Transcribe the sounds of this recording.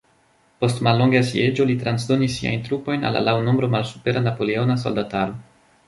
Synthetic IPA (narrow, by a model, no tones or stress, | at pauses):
po̞stmalːo̞ŋɡasie̞d͡ʒo̞litɾansdo̞nisːia̰jntɾupo̞jna̰la̰lawno̞mbɾo̞malsu̥pe̞ɾanapo̞leo̞nas̬o̞̰ldataɾo̞